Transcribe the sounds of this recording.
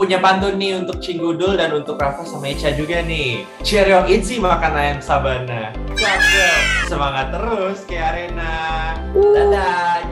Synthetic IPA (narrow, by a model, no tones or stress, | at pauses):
puɲapant̪̬ʊnːɪunt̪ʊk̚t͡ʃiŋɡudʊldanunt̪ʊkrapasamait͡ʃad͡ʒuɡanɪh | t͡ʃeɾiɔŋinsihmakanajaŋsabanat͡ʃakəsəmaŋat̪ːəɾʊskəjaɾena | dada